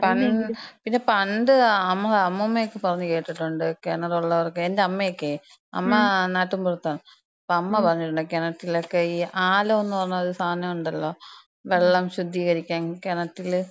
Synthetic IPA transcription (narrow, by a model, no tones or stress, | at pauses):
pɐnpinːe̞pɐɳɖɨɐmːɐɭɐmːɐmːejokːepɐrɐɲːuke̞ːʈːiʈːuɳɖɨkenɐruɭːɐʋɐrkːeendeɐmːɐjokːe | ɐ̰mːɐnaːʈːumpurɐt̪ːaːɳɐ | ɐpːoɐmːɐpɐrɐɲːiʈːuɳɖɨkenɐʈːilokːeiːʔaːlɐonːupɐrɐɲːuɐðɨst̪ʰaːnɐmuɳɖɐlːo̞ː | ʋe̞ɭːɐmɕud̪ʱːiːɣɐɾikʲːaːnkenɐʈːil